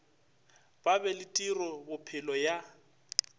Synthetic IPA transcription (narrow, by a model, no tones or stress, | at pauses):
b̥abɛlɪtʼirɔbʊpʰɪlɔja